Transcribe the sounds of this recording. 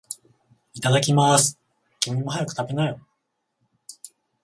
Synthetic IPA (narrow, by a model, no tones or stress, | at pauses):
it̪ad̪akʲimasɨ̥ | kʲimimːoɦajakɯ̥t̪abe̞nai